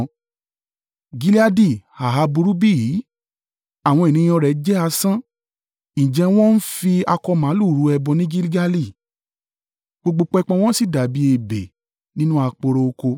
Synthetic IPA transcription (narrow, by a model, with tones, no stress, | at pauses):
ɡi˧˦li˦a˧di˦˨ha˨ɦa˧bu˧ɾu˦bi˦˨ji˨˦ | a˨w̃ɔ̃˧e˨nĩ˨˦j̃ɔ̃˧ɾɛ˨d͡ʒɛ˦a˧sã˦ | ĩ˨d͡ʒɛ̃˧w̃ɔ̃˦n̩˦fi˧a˧kɔ˧mã˨˦lu˦˨ɾu˨˧˦ɛ˧bɔ˧nĩ˦ɡi˦li˦ɡa˧li˦˨ | ɡ͡bo˧ɡ͡bo˧k͡pɔ˧˦ɛ˧k͡pɔ̃˧w̃ɔ̃˦si˦˨da˨bi˨˦e˦˨be˨ | nĩ˦nũ˦a˧k͡po˧ɾo˧o˧ko˧